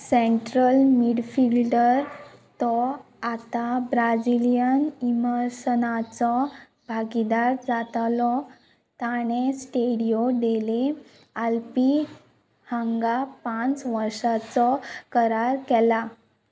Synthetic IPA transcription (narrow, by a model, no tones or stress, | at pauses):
sɛɳʈɾəlmiɽfilɖəɾt̪ɔ | at̪abɾad͡ʑilijəniməɾsənat͡sɔ | bʱaɡid̪aɾd͡zat̪lɔ | t̪aɽ̃esʈeɽijoɖ̪ele | alpi | hãŋɡapãt͡sʋəɾʂat͡sɔkəɾaɾkɛla